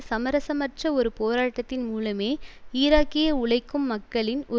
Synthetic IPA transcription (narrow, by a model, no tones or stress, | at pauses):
sɐmɐɾɐsɐmɐʈrɐɔɾɯpoːɾaːʈːɐt̪ːɪnmuːlɐmeːiːɾaːkɪjɐʊɭɐɪkːɯmːɐkːɐɭɪnʔɔ